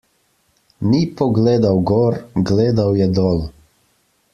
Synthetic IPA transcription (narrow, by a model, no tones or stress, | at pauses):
nipɔɡleːd̪awɡɔːɾɡleːd̪awjɛd̪ɔːl